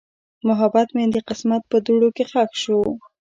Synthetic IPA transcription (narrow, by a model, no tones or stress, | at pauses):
mʊɦabat̪med̪əqɪsmat̪̚pəd̪uɽokexaxʃu